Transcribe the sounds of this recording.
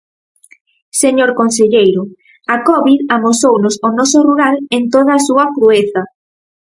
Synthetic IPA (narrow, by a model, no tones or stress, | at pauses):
seɲoɾkonseʎejɾʊ | akɔβiðamosownʊsonɔsoruɾalent̪oð̞aːsuɐkɾueθɐ